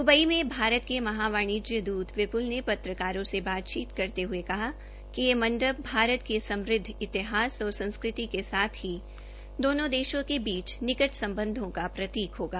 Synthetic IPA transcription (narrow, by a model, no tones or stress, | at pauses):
d̪ʊbəimẽbʱaːɾət̪̚kemɐɦaːʋaːɽ̃iːd͡ʒjəd̪uːt̪ʋɪpʊlnepɐt̪ɾəkaːɾõsebaːt̪t͡ʃiːt̪kɐɾt̪eɦʊekɐɦa | kijemɐ̃ɳɖəb̚bʱaːɾət̪kesɐ̃mɾɪd̪ʱːɪt̪ɪɦaːsɔːɾsɐ̃nskɾɪt̪ikesaːt̪ʰɦi | d̪oːnõd̪eːʃõkebiːt͡ʃnɪkəʈsɐ̃mbə̃nd̪ʱõkapɾɐt̪iːkɦoːɡaː